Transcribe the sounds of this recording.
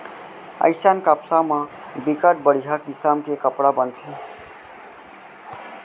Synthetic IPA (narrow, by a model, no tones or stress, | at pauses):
ə̰jsankapsama | bikəʈ̚bəɽ̤iɦʌkisamkekəpɽabənt̪ʰi